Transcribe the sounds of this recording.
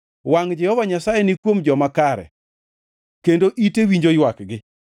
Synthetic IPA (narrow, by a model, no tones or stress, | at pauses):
waŋd͡ʒɛhɔvaɲasajɛnɪkwomd͡ʒɔmakaɾɛ̰ | kendoʔitewiɲd͡ʒojwakɡɪ